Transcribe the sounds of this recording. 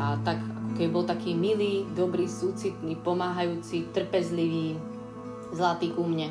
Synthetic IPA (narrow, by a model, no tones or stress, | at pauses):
at̪akakɔkɛbibɔlt̪akiːmiliːd̪ɔbɾiːsuːt͡sit̪niːpɔmaːɦajuːt͡sit̪r̩pɛzliʋiː | zlat̪iːkumɲɛ